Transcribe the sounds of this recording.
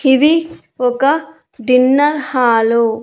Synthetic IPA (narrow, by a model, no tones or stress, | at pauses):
id̪i | ɔkɐ | ɖinːɐɾhaːlu